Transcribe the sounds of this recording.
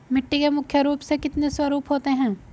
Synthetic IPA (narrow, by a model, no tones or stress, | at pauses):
mɪʈːikemʊkʰːjəɾuːpsekɪt̪neswɐɾuːpɦoːt̪eɦɛ̃ː